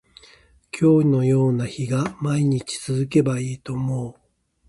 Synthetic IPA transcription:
kʲʰo̞ːno̞jo̞ːnaçiɡamaiɲ̟it͡ɕi̥t͡sɨzɨk̬e̞baiːt̪o̞mo̞ː

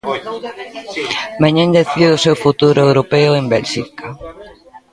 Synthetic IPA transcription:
maɲãnd̪eθiðʊsewfut̪uɾʊewɾopeʊembɛlʃika

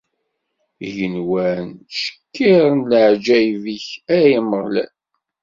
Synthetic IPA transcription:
ʝənwænʃə̥kʰːiɾənləʕd͡ʒæjviçæjəməʁlæ̰n

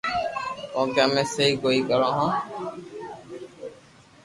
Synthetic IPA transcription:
õːkjãːmẽːsəɦiːkoːiːkəɾãːɦãː

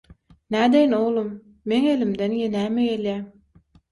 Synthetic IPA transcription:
næd̪ejnowlˠɨmː | eŋelɪmd̪enjenæːmejeljæ

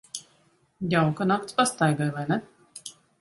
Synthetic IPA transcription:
jawkanakt̪spast̪ajɡajvajnɛ

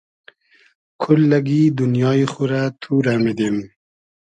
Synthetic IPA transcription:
kʰʊlːaɡid̪unjɑːiχuɾat̪ʰuːɾamid̪em

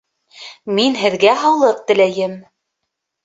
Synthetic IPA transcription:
minɦɘ̆ðɡæɦɑlˠɤq̚t̪ɘ̆læjɘm

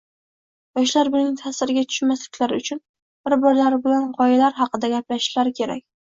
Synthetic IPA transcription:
jɒʃlaɾbɪnɪŋt̪ʰasɪɾɪɡʲat̪ʰʊ̥ʃmaslɪkʲlaɾʊt͡ʃʰʊn | b̥ɪɾbɒɾlaɾɪbɪlanqʰɒjalaɾɦɑqɨd̪aɡʲaplaʃlaɾɪkʲʰe̞ɾa̰k̚ʲ

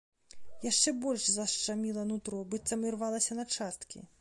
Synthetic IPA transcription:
jaʂt͡ʂɛbɔlʲʂzɐʂt͡ʂamʲilˠɐnut̪ɾɔbɨt̪sɐmʲirvalˠɐsʲɐnɐt͡ʂast̪kʲḭ

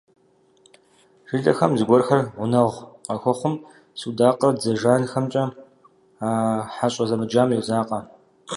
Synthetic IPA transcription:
ʒ̥ɨɮʼɐxɐmzɨɡʷɔrxɐrʁʷʊnɐʁʷqɐxʷɔχʷʊm | sɨwdaːqʼɐd͡zɐʒaːnxɐmt͡ʃʼɐ | aːħaɕʼɐzɐmɨd͡ʒaːmjɛzaːqʼɐ

